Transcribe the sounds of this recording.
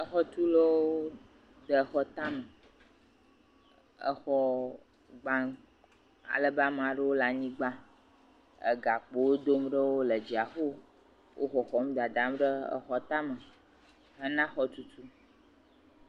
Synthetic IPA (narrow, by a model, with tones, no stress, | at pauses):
ə˦xɔ˦t̪u˦lo˦wo˦ | d̪ə˨xɔ˦t̪ã˦mə˨ | ə̰˦xɔ˦ | ɡ͡bã˦ | a̰˨lə˦ba˦m˨ã˨ɖə˦wo˦la˨ɲĩ˦ɡ͡ba˦ | ə̰˨ɡa˨k͡po˨wo˦d̪o˦m˦ɖə˦wo˦lə˨d͡ʑi˨a˨xo˦ | wʔo̰˦xɔ˨xɔ˨mũ˦d̪a˨d̪ã˨m˦ɖə˦ə̰˨xɔ˦t̪ã˦mə˨ | ə˦nã˦xɔ˨t̪u˦t̪u˦